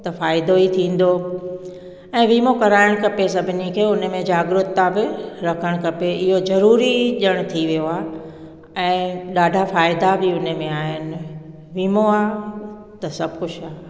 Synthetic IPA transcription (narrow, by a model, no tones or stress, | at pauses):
t̪ɐfaːɪd̪oit̪ʰĩːn̆d̪o | ɛ̃ːʋiːmokɐɾaːɪɽ̃kɐpesɐbʱɪnikʰeːʊnəmẽd͡ʑaːɡɾʊt̪ːãbɪɾɐkʰəɽ̃kɐpeʔɪɦozɐɾuːɾiʄəɽ̃ʊ̆t̪ʰiʋijoaːɦe | ɛ̃ːɗaːɖʱafaːɪd̪abɪʊnmẽaːɦɪnɪ̆ | ʋiːmoaː | t̪ɐsɐbʱkʊt͡ʃʰaː